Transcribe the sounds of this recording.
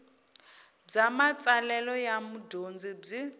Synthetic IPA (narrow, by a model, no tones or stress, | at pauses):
b͡ʐamat͡sʼalɛlɔjamudond͡zib͡ʐi